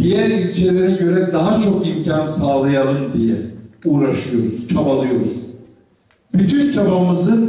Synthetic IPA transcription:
d̪̥ijæɾilʲt͡ʃʰelʲeɾiɟø̞ɾɛd̪aɦat͡ʃʰo̞kimcʰansaːlˠajalˠɯmd̪ijɛ̰uːɾaʃɯjo̞ɾuz̥t͡ʃʰabalˠɯjo̞ɾuz̥ | b̥yt̪ʰynt͡ʃʰabamɯzɯn

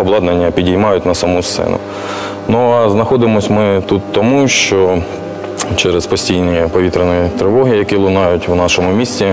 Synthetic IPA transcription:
ɔblˠɑd̪nenʲːɐpʲidʲijmɑjʊtʲnɐsɐmust̪sɛ̰nʊ̰ | nuɐznɐxɔd̪ɪmɔsʲmɪt̪ut̪ːɔmuʃt͡ʃɔ | t͡ʃɛɾespɔsʲtʲijnɔjpɔʋʲit̪ɾenɔjit̪ɾɪʋɔɦɪjɐkilˠʊnɑjʊtʲwnɑʃɔmʊmʲisʲtʲi

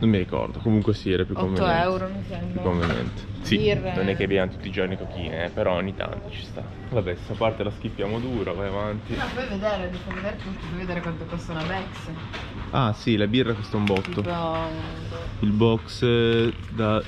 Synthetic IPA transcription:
nomːiɾikɔ̰rd̪okomuŋkwesiɾepjukɔoveoɛwɾomisɛpukkːoɱvenɛ̰nt̪e̥sirnonɛkːeavbijamot̪u̥t̪ːid͡ʒornikokḭːneɛpeɾɔoɲːit̪a̰nt̪o̥t͡ʃi̥st̪a̰ | vabɛssapːart̪elaskipːjaːmod̪uːɾavajavant̪inɔpɔjved̪eːɾed̪ifejved̪eːɾet̪ult̪pɔjved̪eːɾekwant̪opesoːnabɛksə | a̰silabirːakwest̪aumbɔt̪ːo | ilbɔks | d̪a

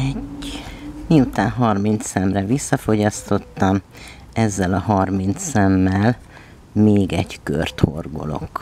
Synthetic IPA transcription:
ɛɟ | miut̪aːnɦɒrmint̪sɛmrɛvisːɒfo̞ɟɒst̪o̞t̪ːɒm | ɛzːɛlɒhɒrmint̪sɛmːɛl | meːɡɛɟkø̰rt̪ho̞̰rɡo̞̰lo̞̰k

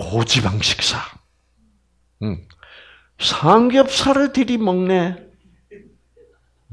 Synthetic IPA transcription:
kod͡ʑibaŋɕʰi̥k̚s͈a | sʰaŋɡjʌp̚sʰaɾɯɭt̪ɯɾimʌŋne

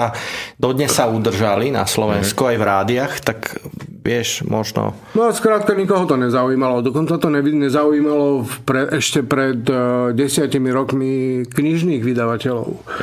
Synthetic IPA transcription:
ad̪ɔd̪ɲɛsːaud̪r̩ʒalina̰slɔʋɛnskuajvɾaːd̪iaxt̪akʋɪɛʃmɔʒnɔ̰ | maskɾaːt̪̚kaɲikɔɦɔt̪ɔɲɛzauiːmalɔd̪ɔkɔnt͡sat̪ɔɛiɲɛzaujiːmalɔpɾɛɛʃcɛpɾɛd̪ɟɛsɪacimiɾɔkmikɲiʒniːɣʋid̪aʋacɛlɔ̰ʊ

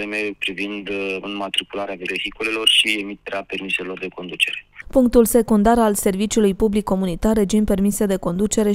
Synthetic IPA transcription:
eme̞pɾivind̪nmat̪ɾikulaɾeavelehikule̞lo̞rʃie̞mit̪eɾeape̞rmiseilo̞rd̪e̞ko̞nd̪ut͡ʃe̞ɾe̞puŋk̚t̪ulse̞kund̪aɾalse̞rvit͡ʃuulujpublikːo̞munit̪arːe̞d͡ʒimpe̞rmise̞d̪e̞ko̞nd̪ut͡ʃe̞ɾe̞

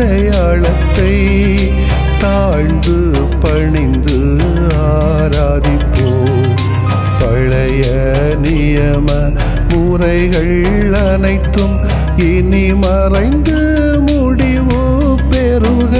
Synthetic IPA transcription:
ɐjaːɭɐt̪ːɐɪ | t̪aːɻnd̪ɯ | pɐɳɪnd̪ɯ | aː | ɾaːðɪpːoː | pɐɭɐjɐ | nɪjɐmɐ | muːɾɐɪɣɐɭ | ɐ | nɐɪt̪ːɯm | ɪnimɐrɐɪnd̪ɯ | muːɽɪʋɯ | peːɾɯ | ɣɐ

